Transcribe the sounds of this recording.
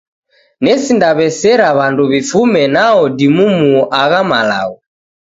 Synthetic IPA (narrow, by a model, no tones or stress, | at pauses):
nɛsindaβɛsɛɾaβanduβifumɛnaɔdimumuʔaɣama̰la̰ɣɔ